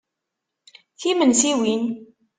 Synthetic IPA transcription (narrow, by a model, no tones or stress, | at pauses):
θimənsiwin